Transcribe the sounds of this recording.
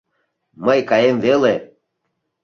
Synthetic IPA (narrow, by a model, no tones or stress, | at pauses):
məjkɑjemvele